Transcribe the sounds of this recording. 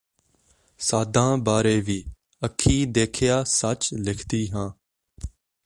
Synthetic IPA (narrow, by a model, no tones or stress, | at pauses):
saːd̪ʱãːbaːɾeːʋiː | əkʰːiːd̪eːkʰɪjaːsət͡ʃlɪkʰt̪iːɦãː